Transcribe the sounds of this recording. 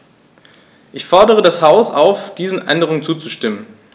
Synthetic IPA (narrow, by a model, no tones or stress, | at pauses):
ʔɪçfɔɐdəʁ̞ədashaʊsaʊfd̥iːzn̩ʔɛ̰ndəʁ̞ʊŋt͡suːt͡suʃtɪmən